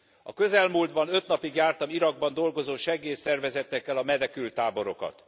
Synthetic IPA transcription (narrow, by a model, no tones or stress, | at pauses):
ɒ̰kø̞zɛlmuːld̪bɒnø̞t̪nɒpiɡjaːrt̪ɒmiɾɒɡ̚bɒnd̪o̞lɡo̞zoːʃɛɡeːsɛrvɛzɛt̪ːɛkːɛlɒmɛnɛkylt̪ːaːbo̞ɾo̞kɒ̰t̪